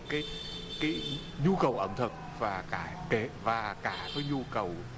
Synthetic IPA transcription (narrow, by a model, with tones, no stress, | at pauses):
kaː˨˦j | kaː˨˦j | ɲu˧kə˨˩wʔə˧˩mt̪ʰə˨˩k̚vaː˨˩kaː˧˩ke˧˩vaː˨˩kaː˧˩t̪ɔ˨˦jɲu˧kə˨˩w